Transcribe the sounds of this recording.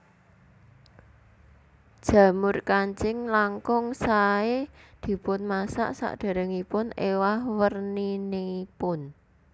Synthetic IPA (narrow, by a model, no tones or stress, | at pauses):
d̥ʒ̥ä̤mʊrkaɲt͡ʃɪŋlaŋkɔŋsaed̪̥i̤pʊnmasa̰ʔsa̰ʔd̪̥a̤ɾəŋipʊnewahwərnineipʊn